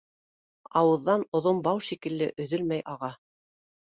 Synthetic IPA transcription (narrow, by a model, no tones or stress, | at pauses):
ɑwɤ̆ðːɑnŏðombɑwʃikɘ̆lːɘʔɵ̆ðɵlmæjʔɑʁɑ